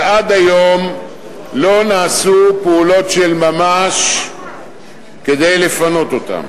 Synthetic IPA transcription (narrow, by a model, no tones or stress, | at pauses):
ad̪ajo̞m | lo̞naːsupeulo̞t̪ʃe̞lmamaʃ | ke̞d̪e̞jle̞fano̞t̪o̞t̪a̰m